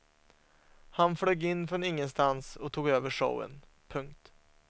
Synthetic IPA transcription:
hanfɽœɡːɪnːfɾɔnɪŋːənst̪ansɔt̪ʰuːɡøːvəʂə̰wə̰n | pʰɵŋk̚t̪

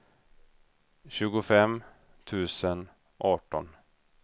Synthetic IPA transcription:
ɕʉ̟ːɡʊfɛm | t̪ʰʉ̟ːsən | ʔɑːʈɔ̰n

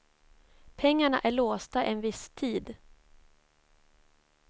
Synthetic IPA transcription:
pʰɛŋːaɳaʔæɭoːst̪aʔɛnvɪst̪ʰiːd̪

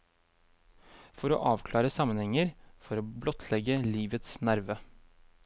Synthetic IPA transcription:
fɔɾo̰ːʔɑːʋkʰlɑːɾəsɑmənhɛŋəɾfɔɾoːblɔt̪ʰlɛɡəliːʋət̪snæɾʋə

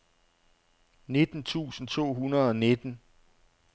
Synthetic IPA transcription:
ne̝d̥n̩t͡sʰṵːsn̩t͡sʰo̝̰ːɦunɐð̩ˠɒ̽ne̝d̥n̩

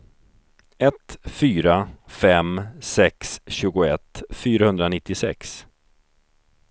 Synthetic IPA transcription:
ɛt̪fyːɾafɛmsɛksɕʉ̟ːɡʊɛt̪ːfyːɾahɵnd̪ɾanɪt̪ːɪsɛ̰ks

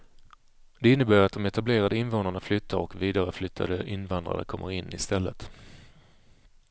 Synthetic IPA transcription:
d̪ɛɪnːəbœːɾat̪̚d̪ɔmɛt̪ableːɾad̪əɪnvoːnaɳaflʏt̪ʰːaɾɔkviːd̪aɾəflʏt̪ʰːa̰d̪əʔɪnvand̪ɾa̰nə̰kʰɔmːəɾɪnːɪ̰st̪ɛlːət̪

